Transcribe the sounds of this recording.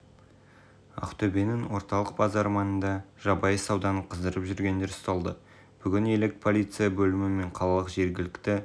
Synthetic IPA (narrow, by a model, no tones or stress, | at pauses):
ɑ̰qt̪ɵbe̞nɪŋwo̞ɾt̪ɑlˠəq̚bɑzɑɾmɑnənd̪ɑʒ̥ɑbɑjəsɑwd̪ɑnəqʰəzd̪əɾəpʒʏɾɡʲe̞nd̪e̞ɾst̪ɑlˠd̪ə | b̥ʏɡʲɪne̞lɪk̚pʰo̞lʲijt̪sɨjabɵlɪmɪme̞ɴqʰɑlˠɑlˠəqʒe̞ɾɡʲɪlɪkt̪ɪ